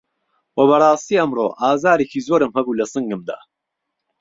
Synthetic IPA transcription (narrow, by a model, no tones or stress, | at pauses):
wɐbɐrˤɑːst̪iɐmro̰ːʔaːzaːɾekʰiːzoːɾɨmhɐbuːlɐsɨŋɡɨmd̪a̰ː